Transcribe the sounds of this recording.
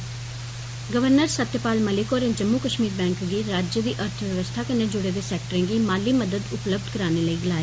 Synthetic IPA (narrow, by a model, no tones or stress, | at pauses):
ɡəʋəɾnəɾsət̪jəpaːlməlɪkoːɾẽːd͡ʒəmːuːkəʃmiːɾbɛ̃ːŋkɡiːɾaːd͡ʒəd̪iːʔəɾt̪ʰʋjəʋəst̪ʰaːkɪneːd͡ʒʊɽeːd̪eːsɛːk̚ʈəɾẽːɡiːmaːlːiːməd̪əd̪ʊpləb̚d̪kəɾaːneːləiːɡɪlaːeː